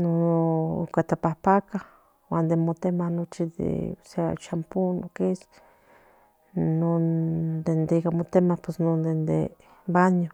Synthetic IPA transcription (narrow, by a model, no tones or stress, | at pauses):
noo̰kat̪apahpaka | wand̪emot̪emahnot͡ʃid̪ḛsea̰t͡ʃampunokes | nond̪end̪eikamot̪emahpesnond̪end̪ḛ | baɲo